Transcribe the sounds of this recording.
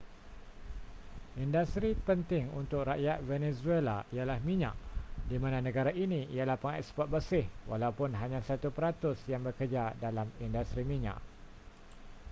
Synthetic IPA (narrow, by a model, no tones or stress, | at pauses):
ʔindast̪ɾipənt̪ɪŋṵnt̪ʊk̚ɾaʔjat̪̚vɛnɛzuelaijalahmiɲã̰ʔdimãnãnə̃ɡaɾaʔinĩijalahpəŋɛ̰spɔt̪̚bəsɪhwalawpʊnɦaɲãsat̪upəɾat̪ʊsjaŋbəkəd͡ʒadalamindast̪ɾimĩɲã̰ʔ